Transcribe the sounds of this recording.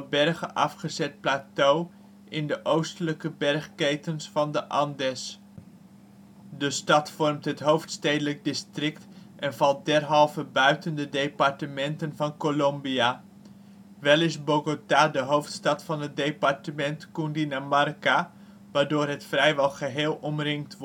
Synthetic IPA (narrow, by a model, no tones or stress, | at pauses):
bɛrχəʔɑfχəzɛt̚plaːtow | ʔɪndəʔowstələkəbɛrχkejtənsfɑndəʔɑndɛs | dəstɑtfɔrmtɦətɦowftstejdələk̚dɪstrɪktʔɛnvɑlˠt̚dɛrɦɑlˠvəbœɥtəndədejpɑrtəmɛntənvɑnkolɔmbia | ʋɛlˠɪsboɡotaːdəɦowftstɑtfɑnɦət̚dejpɑrtəmɛntkundinamarka | ʋaːɹdoːrɦətfrɛjʋɛlˠχəɦeːlˠɔmrɪŋk̚tʋ